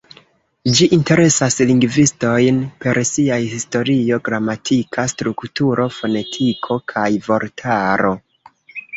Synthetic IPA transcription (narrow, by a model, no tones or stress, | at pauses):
d͡ʒiʔinte̞ɾe̞sasliŋɡvisto̞jnpe̞ɾsiajhisto̞ɾio̞ɡɾamatʰikʰastɾuktuɾʔo̞fo̞ne̞tʰikʰo̞kʰajvo̞ɾtʰaɾo̞